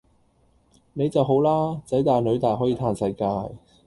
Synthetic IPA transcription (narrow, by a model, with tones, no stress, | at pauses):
ne˨˧jt͡sɐ˨wɦo˨˥wlaː˥t͡sɐ˨˥jt̪aː˨jnlɵ˨˧ɥt̪aː˨jɦɔː˨˥jiː˧t̪ʰaː˨˧nsɐ˧jkaː˧j